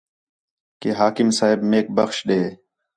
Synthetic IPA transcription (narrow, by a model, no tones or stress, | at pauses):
keɦaːkɪmsaːɦɪbmeːk̚bɐxʃɗ̪eː